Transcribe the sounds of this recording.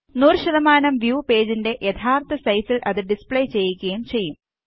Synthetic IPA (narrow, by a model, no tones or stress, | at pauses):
nuːrɕɐðɐmaːnɐmʋjuːpe̞ːd͡ʑinde̞ʔjʔet̪ʰaːrt̪ʰɐsɐjfilʔɐðɨɖispɭejt͡ɕe̞jːikʲːɐjumt͡ɕe̞jːum